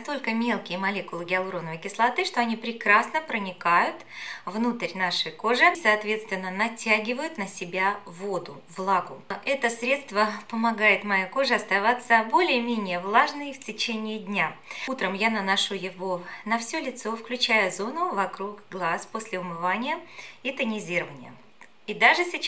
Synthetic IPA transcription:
st̪o̞lʲkəmʲe̞lˠkʲɪjəmɐlʲekʊlˠəɡʲɪɐlˠɾonəvəjkʲɪslˠɐt̪ɨʂt̪o̞ɐnʲipɾʲɪkɾasnəpɾənʲɪkajʊt̪vnut̪əɾʲnaʂɨjko̞ʐɨsɐːt̪vʲe̞t̪st̪vʲɪnːənɐtʲaɡʲɪvəjʊt̪nəsʲɪbʲavo̞d̪ʊ | vlˠaɡʊʔɛt̪əsɾʲet̪st̪vəpəmɐɡajɪt̪mɐjako̞ʐɨɐst̪ɐvat̪səbo̞lʲɪjəmʲenʲɪjəvlˠaʐnɨjftʲɪt͡ɕenʲɪːdʲnʲaut̪ɾəmjanənɐʂujɪvonɐfsʲɵlʲɪt̪so̞fklʲʉt͡ɕæjəzo̞nʊvɐkɾukɡlˠasposʲlʲɪʊmɨvanʲɪjəit̪ənʲɪzʲiɾəvənʲɪjə̰ | id̪aʐɨsʲɪ

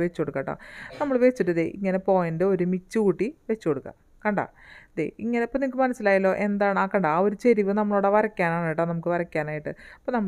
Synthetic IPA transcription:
ʋet͡ɕːko̞ɽukːɐ̰ːʈːo̰nɐmːɐɭʋe̞t͡ɕːiʈːɨɐd̪eʔḭŋːɐne̞po̞ːjɐndeo̞ɾumit͡ɕːɨkuːʈːiʋe̞t͡ɕːuko̞ɽukːɐ̰ | kɐɳɖa̰ːd̪ḛiŋːɐneɐpːonikːɨmɐnɐsːilaːjɐlːo̞ːʔend̪aːɳɨaːkɐɳɖao̞ɾut͡ɕe̞ɾiʋɨnɐmːɐɭoːɽeʋɐɾɐkʲːaːnaːɳaːjiʈːonɐmukːɨʋɐɾɐkʲːaːnaːjiʈːɨɐpːonɐmːɐ

